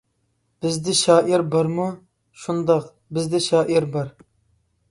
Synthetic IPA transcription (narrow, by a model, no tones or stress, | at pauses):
b̥ɪzd̪ɪʃɑːʔiɾbɑɾmu | ʃund̪ɑq | bɪzd̪ɪʃɑːʔiɾbɑɾ